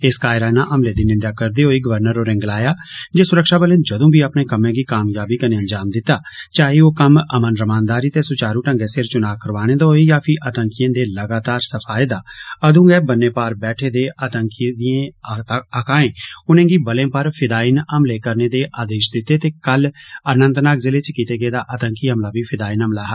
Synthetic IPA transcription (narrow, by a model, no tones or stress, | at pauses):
eskaːɪɾaːnaːʔəmleːd̪iːnɪnd̪jaːkəɾd̪eːɦoːiːɡəʋəɾnəɾoːɾɪ̃ŋɡlaːjaːd͡ʒeːsʊɾəkʃaːbəlẽːd͡ʒəd̪õːbiːapneːkəmẽːɡiːkaːmjaːbiːkəneːənd͡ʒaːmd̪ɪt̪ːaːt͡ʃaːɦioːkəməmənɾəmaːnd̪aːɾiːt̪eːsʊt͡ʃaːɾũːʈəŋɡɛːsɪɾt͡ʃʊnaːkəɾʋaːɽ̃ẽːd̪aɦoːiːjaːpʰɪʔət̪əŋkijə̃ːd̪eːləɡaːt̪aːɾsəpʰaːeːd̪aːəd̪ũːɡɛːbənːeːpaːɾbɛːʈʰeːd̪eːət̪əŋkid̪iẽːəkãːẽːʊnẽːɡiːbəlẽːpəɾpʰɪd̪aːinəmleːkəɾneːd̪eːʔaːd̪eːʃd̪ɪt̪ːeːt̪eːkələnə̃nt̪naːkzɪleːt͡ʃkiːt̪eːɡəeːd̪aːʔət̪əŋkiːəmlaːbiːpʰɪd̪aːinəmlaːɦ